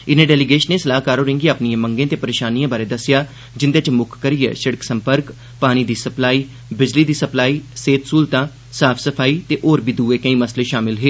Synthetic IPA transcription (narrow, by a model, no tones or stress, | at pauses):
ɪnẽːɖɛːlɪɡeːʃənːeːsəlaːɦkaːɾoːɾɪ̃ːŋɡiaːpnijãːmə̃ŋɡẽːt̪eːpəɾeːʃaːnijãːbaːɾeːd̪əsːɪjaː | d͡ʒɪnd̪eːt͡ʃmʊkʰkəɾiḛːsəɽəksə̃mpəɾk | paːñiːd̪iːsəplaːiː | bɪd͡ʒliːd̪iːsəplaːiːseːt̪suːlt̪ãː | saːpʰsəpʰaːiːt̪eːʔoːɾbiːd̪uːeːkə̃ĩːməsleːʃaːmɪlɦeː